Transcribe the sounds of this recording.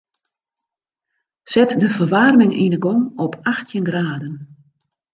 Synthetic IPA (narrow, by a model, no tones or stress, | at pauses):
sɛtdəfərʋarmɪŋʔḭnəɡɔŋɔpʰaxtʰjənɡraːdən